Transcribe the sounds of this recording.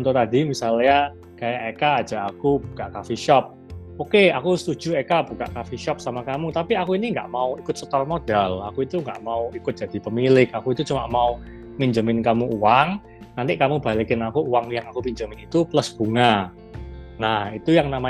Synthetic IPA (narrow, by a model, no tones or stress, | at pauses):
nt̪ot̪adimisalɲa | kajaʔekḁːd͡ʒ̥a̤ʔakub̥u̥kaʔkafiʃɔp̚ | okeakusət̪u̥d͡ʒ̥uekab̥uka̰ʔkafiʃɔp̚samakamut̪apiakuiniŋɡa̰ʔmauikʊt̪̚sot̪almod̥ɛla̰kuit̪uŋɡaʔmauikʊt̪̚dd͡ʒ̥ad̥i̤pəmilɪkakuit̪ut͡ʃuma̰ʔmau | miɲd͡ʒəmɪnkamuuwaŋ | nant̪ikamuba̤likɪnakuːwaŋjaŋakupiɲd͡ʒəmɪnit̪uplʊsb̥uŋa | nahit̪ujaŋnama